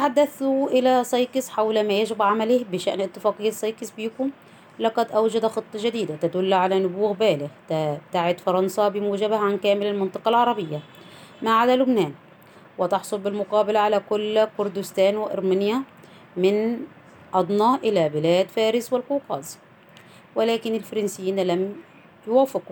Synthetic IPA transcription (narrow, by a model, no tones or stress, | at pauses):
aħad̪ːaθuʔɪlæsˤɑjkɪsħawlmæjaʒɪbʕamalɪhbɪʃa̰ʔnɪt̪ːɪfæːqijːɑsˤːɑjkɪsbiːkʊm | lɑqɑd̪ʔawd͡ʒad̪xɨt̪ˤːɑʒad̪iːd̪at̪ad̪ʊlːʕalænʊbuːɣbæːlɪɣt̪at̪aʕɪd̪fɑɾˤɑnsabɪmuːʒabahʕankæːmɪlalmɪnt̪ˤɑ̥qɑlʕɑɾˤɑbɪjːa | maʕad̪alʊbnæːn | wɪt̪ɑħsˤʊlbɪlmʊqɑːbɪlʕalakʊlːkʊɾd̪ʊst̪æːnwɪʔɑ̰ɾˤmanja | mɪn | ʔɑd̪ˤnɑʔɪlabɪlæːd̪fæːɾɪswɪlquːqɑːz | wɪlæːkɪnɪlfɑɾˤɑnsɪjːiːnlam | jʊwaːfɪq